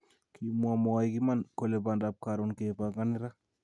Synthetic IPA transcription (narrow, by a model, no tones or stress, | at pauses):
kimwamɔajkimankolepandap̚kaɾonkepaŋɡanɪɾa